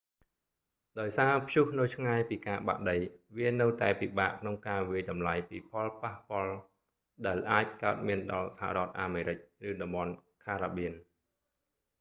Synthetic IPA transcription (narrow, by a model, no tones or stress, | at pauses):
ɗaɔjsaːpʰjuhnɨwt͡ɕʰŋaɛpiːkaːɓa̰ʔɗəjʋiənɨwt̪aɛpiɓaːʔkʰnoŋkaːʋiəjɗɑmlajpiːpʰɑlpahpŏəl | ɗaɛlʔaːc̚kaət̪̚miənɗɑlsaha̰ʔɾŏət̪̚ʔaːmeːɾɨc̚rɨːɗɑmɓɑnkʰaːɾaːɓiən